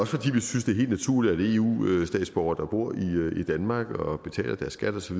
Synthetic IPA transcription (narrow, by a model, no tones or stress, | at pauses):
ɒ̽sə̥fɒ̽d̥ḭːʋisynsd̥e̝he̝̰ld̥næt͡sʰuɐ̰lid̥æd̥e̝e̝ṵːsd̥ɛ̰ːd̥sb̥ɒʊɐd̥ɑ̈b̥o̝ɐ̰iid̥ænmɑ̈ːɡ̥ɒ̽b̥e̝t͡sʰɛ̰ːlɐd̥æɐsːɡ̥æd̥ɒsɒʋið